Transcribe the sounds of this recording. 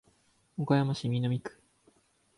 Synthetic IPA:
okajamaɕimʲinomʲikɯ̥

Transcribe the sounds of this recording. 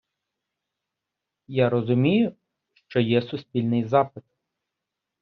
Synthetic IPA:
jaɾɔzʊmʲijʊ | ʃt͡ʃɔjɛsʊsʲpʲilʲnɪjzɑpɪt̪

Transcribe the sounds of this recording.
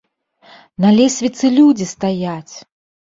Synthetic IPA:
nɐlʲɛsʲvʲit̪sɨlʲud͡zʲist̪ajat͡sʲ

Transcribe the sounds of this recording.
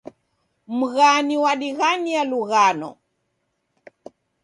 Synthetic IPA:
m̩ɣaniwaɗiɣanialuɣanɔ̰

